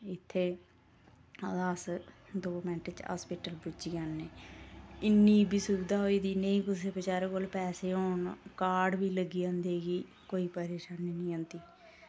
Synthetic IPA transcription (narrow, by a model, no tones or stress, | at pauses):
ɪt̪ʰːeː | aːsd̪oːmɛ̃ːɳʈɪt͡ʃa̰ːspiːʈəlbʊd͡ʒiːanːeː | ɪnːiːbiːsuɡd̪aːɦoːiːd̪iːnəĩːkʊseːpət͡ʃaːɾekoːlpɛːseːɦoːɳkaːɖbiːləɡiːãːnd̪eːɡiː | koːiːpəɾeːʃaːniːnĩːõːnt̪iː